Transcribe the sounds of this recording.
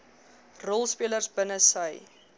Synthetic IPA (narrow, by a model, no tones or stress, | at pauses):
rɔlˠspiələrsbənəsəj